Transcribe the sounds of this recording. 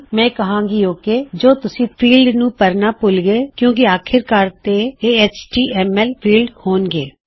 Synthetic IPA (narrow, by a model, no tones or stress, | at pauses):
mɛ̃ːkəɦãːŋɡiːoːkeːd͡ʒoːt̪ʊsĩːpʰiːlɖnũːpəɾnaːpʊlɡeːkjõːk̬ɪaːkʰɪɾkəɾt̪eːeːeːt͡ʃʈiːʔɛːmɛːlpʰiːlɖhoːnɡḛː